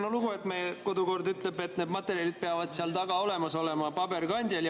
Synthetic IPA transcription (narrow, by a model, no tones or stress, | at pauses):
noluɡ̥ue̞t̪mejeko̞d̪uko̞rd̪yt̪lebe̞t̪ned̪mɑt̪ːˑe̞ɾjɑlid̪̚peɑvɑd̪̥seɑlt̪ɑɡ̥ɑo̞le̞mɑso̞le̞mɑpɑbe̞rɡɑnʲd̪̥ʲjɑlj